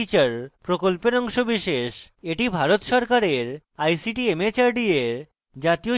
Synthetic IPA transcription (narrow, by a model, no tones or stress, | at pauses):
it͡ɕaɾpɾokolpeɾɔŋʃobiʃeʃ | eʈibʱaɾot̪ʃɔɾkaɾeɾ | ajsiʈiemet͡ɕaɾɖieɾ | d͡ʑat̪io